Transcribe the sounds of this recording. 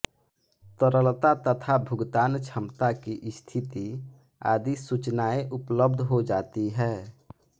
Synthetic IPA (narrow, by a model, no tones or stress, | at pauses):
t̪əɾəlt̪at̪ət̪ʰabʱʊɡt̪aːnt͡ʃʰəmt̪akiʔɪst̪ʰɪt̪i | a̰ːd̪isut͡ʃnaːeʔʊpləbd̪ʱɦod͡ʒaːt̪iɦɛː